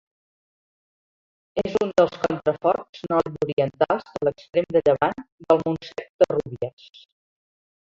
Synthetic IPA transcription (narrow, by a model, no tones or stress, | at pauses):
ezund̪əlˠskɔnt̪ɾəfɔrznɔruɾiənt̪alˠzðələkst̪ɾemd̪əʎəβand̪əlˠmunsɛk̚d̪əruβiəs